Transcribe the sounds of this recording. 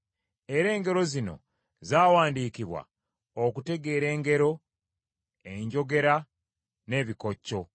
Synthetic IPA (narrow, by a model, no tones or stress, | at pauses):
e̞ɾe̞ːŋɡe̞ɾo̞zino̞̰ | zaːwaːndiːkiβwa̰ | okute̞ɡe̞ːɾe̞ːŋɡe̞ɾo̞ | e̞ɲɟo̞ɡe̞ɾa | ne̞ːβiko̞cːo̞